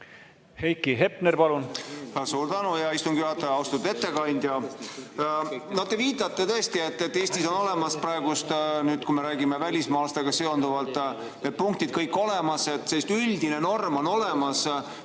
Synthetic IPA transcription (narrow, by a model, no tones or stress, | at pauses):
hejkːiɦepneɾpɑlunɑsuːɾt̪ænujɑist̪umɡ̥jyhɑt̪ːˑɑjɑɑwst̪u̥e̞t̪ːe̞kɑnʲd̪̥ʲjɑ | nɑd̪e̞viːt̪ˑɑt̪ːˑe̞t̪ɤ̞est̪ie̞t̪ːet̪ːe̞ːsʲt̪iso̞no̞le̞mɑsprɑeɡ̥ust̪nyːd̪̥kume̞ɾæːɡimevælʲismɑːlst̪e̞ɡ̥ɑse̞o̞nd̪uvɑlt̪ːˑ | ne̞d̪̚puŋk̚t̪id̪̥kɤjkːˑo̞le̞mɑse̞t̪ːseist̪ylʲd̪ine̞no̞rmo̞no̞le̞mɑs